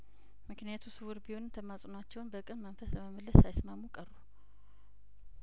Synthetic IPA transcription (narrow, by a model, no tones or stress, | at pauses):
mɨknijat̪ʰusɨwuɾbiho̞nɨmt̪ʰəmasʼunat͡ʃːɛwnbəkʼɨnmənfəsləməməlːəsːajsmamːukʼərːu